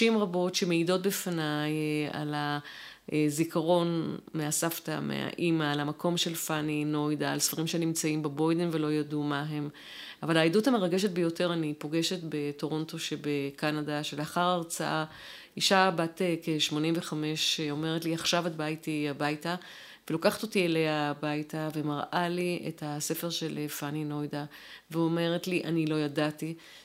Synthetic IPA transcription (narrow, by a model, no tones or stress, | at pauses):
imʁabo̞tʃemeido̞t̚befanaja̰la | zikaʁo̞nmeasafta̰mḛa̰ʔimaːlamakʰo̞mʃe̞lfanino̞jdaːlsfaʁimʃenimt͡saimbebo̞jdenve̞lo̞jadumaɦe̞m | avalaiduthame̞ʁaɡeʃe̞t̚bejo̞te̞ʁanipo̞ɡe̞ʃe̞tbe̞to̞ʁo̞nto̞ʃebekanadaʃeleaχaʁaʁt͡saʔa | iʃabatekeʃmo̞nimveχame̞ʃeo̞me̞ʁetliaχʃavadbajtiabajta | velokaχḁto̞tielejabajtave̞maʁʔaliḛthase̞fe̞ʁʃe̞lefanino̞jda | veo̞me̞ʁetliʔa̰nilo̞jadati